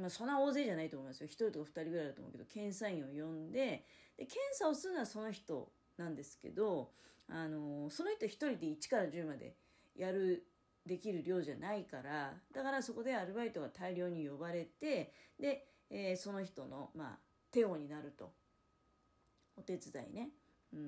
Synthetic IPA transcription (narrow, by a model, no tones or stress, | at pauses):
masõ̞nːao̞ːze̞ːʑanait̪omoimasɨjoçi̥t̪oɾʲit̪o̞kaɸɯ̥t̪aɾʲiɡɯɾaijd̪atomo̰ked̪o̞̥kẽ̞ɰ̃saĩɰ̃ojõ̞nd̪e̞d̪̥e̞kẽ̞ɰ̃saosɨnaaso̞no̞çi̥t̪o̞̰ | nãnd̪e̞sɨ̥ke̞̰d̪o̞ano̞so̞no̞çi̥t̪o̞çi̥t̪o̞ɾʲid̪e̞it͡ɕi̥kaɾaʑɨːmad̪e̞̰ | jaɾɯ̟ | d̪e̞kʲiɾɯ̟ɾʲo̞ːʑanaikaɾad̪̥akaɾaso̞ko̞d̪e̞aɾɯ̟bait̪o̞ɡat̪aiɾʲjo̞ːɲ̟ijo̞baɾe̞t̪e̞d̪e̞ː | so̞no̞çi̥t̪o̞no̞̰ma̰ː | t̪e̞o̞ɲ̟inaɾɯ̟t̪o̞ | ot̪e̞t͡sɨd̪aḭne̞ | ɯ̃